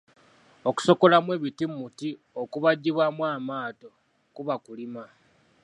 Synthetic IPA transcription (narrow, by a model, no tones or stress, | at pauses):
o̞ku̥so̞ko̞lamwe̞ːβitimuti | o̞kuβaɟːiβwamwaːmaːto̞ | kuβakulima